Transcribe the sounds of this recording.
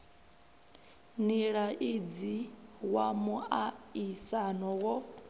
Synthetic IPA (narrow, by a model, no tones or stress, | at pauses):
niɺaʔid͡ziwamuaisanɔwɔ